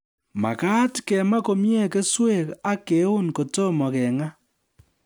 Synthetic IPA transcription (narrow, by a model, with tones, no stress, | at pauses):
ma̰˨ka˦tkɛ˨ma˦ko˨mje˦ke˦swe˦ka˦ke˨˦o˦nko˨to˦mɔ˨ɣɛŋa˦